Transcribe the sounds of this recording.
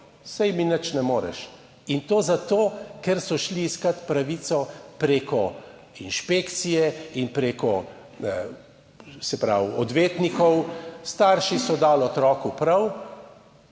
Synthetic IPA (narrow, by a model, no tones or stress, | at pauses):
sɛjminət͡ʃnɛmoːɾɛ̰ʃ | int̪oːzat̪oːkɛɾsɔʃliːskɐt̪pɾaʋit̪sɔpɾeːkɔ | inʃpeːkt̪sijɛinpɾeːkɔ | sɛpɾa̰wɔd̪ʋeːt̪nikɔwst̪aːɾʃisɔd̪aːlɔt̪ɾɔːkupɾɐw